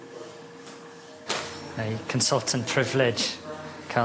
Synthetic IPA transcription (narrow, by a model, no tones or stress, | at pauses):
nəɪkʰə̃nsʌlˠtʰənpʰɹ̥ɪvlɪd̥ʒ̥kʰa